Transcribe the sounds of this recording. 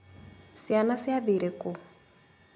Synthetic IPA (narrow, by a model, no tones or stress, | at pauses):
sianasɪabiɾɪkʼʊ